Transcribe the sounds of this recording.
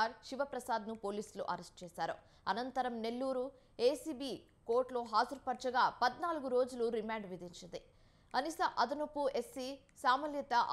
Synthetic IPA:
aːɾʃiʋɐpɾɐsaːd̪nupo̞ːliːsluʔɐɾesʈ̚t͡ʃɛːsaːɾṵ | ɐnɐnt̪ɐɾɐmne̞lːuːɾu | e̞ːsiːbiː | ko̞ːɾʈlo̞ːɦaːzuɾpɐɾt͡ʃɐɡaːpɐd̪naːluɡuɾo̞ːd͡ʒuluɾimaːɳɖʋid̪iɲt͡ʃind̪i | ɐnisɐʔɐd̪ɐnupːuesːi | saːmɐlit̪ɐʔ

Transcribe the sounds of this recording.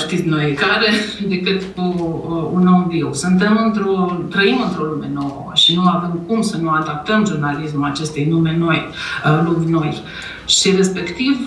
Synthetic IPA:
ʃt̪it̪sʲnojekaɾe̞d̪e̞kɨt̪uunomviwsunt̪e̞mɨnt̪ɾo̞t̪ɾəimɨnt̪ɾo̞lume̞no̞wə̰əʃinuavemkumsənuad̪ap̚t̪əmʒurnalismulat͡ʃe̞st̪ejnume̞no̞jlubʲno̞j | ʃiɾe̞spe̞kt̪iv

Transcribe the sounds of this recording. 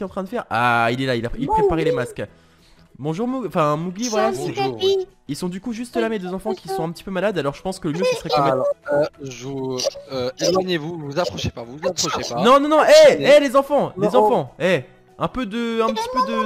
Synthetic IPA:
ɛtɑ̃t̪χɛ̃d̪əfɛʁa̰ilɛlailailpχepaʁɛlemask | bɔ̃ʒuʁmuɡɑ̃fɛ̃muɡlivwajasɛ | ilsɔ̃d̪ykuʒyst̪lamed̪øzɑ̃fɑ̃kʲisɔ̃ɛ̃pət̪ipømalad̪alɔʁʒəpɑ̃skələmjøsəsəʁɛkɔ̃ɛ | ʒuøelwaɲevuvuzapχɔʃepavuzapχɔʃeanɔ̃nɔ̃nɔ̃ʔɛɛlezɑ̃fɑ̃lezɑ̃fɑ̃ɛ | ɛ̃pød̪əɛ̃pət̪i̥pød̪ə

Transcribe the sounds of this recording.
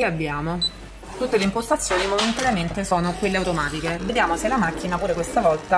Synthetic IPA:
eabːjaːmo | t̪ut̪ːeleimpost̪at̪sːjoːnimoment̪aɾjament̪esɔːnokwelːeawt̪omaːt̪ikeved̪jaːmoselamakːinapuːɾekwest̪avɔlt̪a

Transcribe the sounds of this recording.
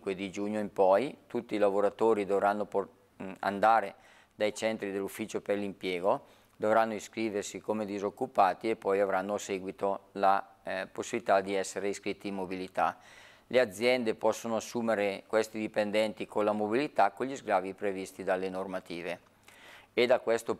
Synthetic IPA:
iŋkwed̪id͡ʒuɲːoimpɔjt̪ut̪ːiːlavoɾat̪oːɾid̪ovɾanːop | a̰nd̪aːɾe | d̪ajt͡ʃɛnt̪ɾid̪elːufːit͡ʃoperlimpjɛːɡo | d̪ovɾanːoiskɾiːversikomed̪izokːupaːt̪iepːɔjavɾanːoaseɡwit̪ola | posːibilit̪ad̪iɛsːeɾeiskɾit̪ːiimːobilit̪a̰ | lʔead̪zːjɛnd̪epɔsːonoasːuːmeɾekwest̪id̪ipend̪ɛnt̪ikʰonlːamobilit̪akːoʎizɡɾaːvipɾevist̪id̪alenormat̪iːve | ed̪akwest̪o

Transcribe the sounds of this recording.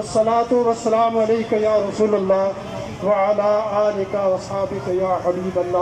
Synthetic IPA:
ɐsːɐlaːt̪ʊʋɐsːɐlaːmɐleːkajaːɾɐsuːlɐlːaː | ʋɐʕɐlaːaːlɪkaʋɐsaːbɪkajaːħɐbiːbɐlːaː

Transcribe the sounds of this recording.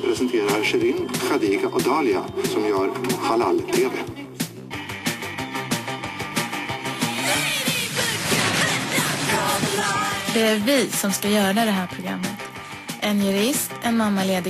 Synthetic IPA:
pʰɾɛsɛnt̪ʰeːɾaɾʂɛɾɪnxad̪iːɡaʔɔd̪ɑːlɪa̰sɔmaɾxalallʰeːd̪ə̰ | d̪ɛæɾvɪːsɔmskajœːɾad̪ɛɦæːɾpʰɾʊɡɾa̰mːət̪ | ʔɛnjɵɾɪst̪ɛnmamːaleːd̪ɪ

